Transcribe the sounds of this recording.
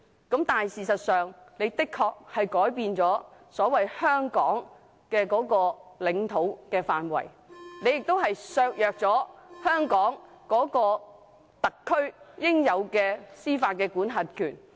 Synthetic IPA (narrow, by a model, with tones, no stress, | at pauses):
kɐ˨˥mt̪aː˨jsiː˨˩sɐ˨t̚sœː˨ŋne˨˧jt̪ɪ˥kʰːɔː˧k̚hɐ˨jkɔː˨˥jpiː˧nt͡sɔː˨˥sɔː˨˥wɐ˨jhœː˥ŋkɔː˨˥ŋ | kɛː˧kɔː˨˥kɔː˧lɪ˨˧ŋt̪ʰo˨˥wkɛː˧faː˨nwɐ̰˨˩j | ne˨˧jɪ˨k̚t̪o˥wɦɐ˨jsœː˧k̚jœː˨k̚t͡sɔː˨˥hœː˥ŋkɔː˨˥ŋ | kɔː˨˥kɔː˧ | t̪ɐ˨kʰːɵ˥ɥjɪ˥ŋjɐ˨˧wkɛː˧siː˥faː˧t̚kɛː˧kuː˨˥nɦɐ˨t̚kʰyː˨˩n